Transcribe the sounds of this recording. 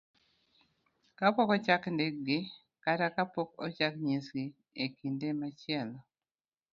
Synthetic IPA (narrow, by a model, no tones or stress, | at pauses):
kapokɔt͡ʃakndeɡɪ | katakapokɔt͡ʃakɲisɡi | ekindemat͡ʃɪɛlɔ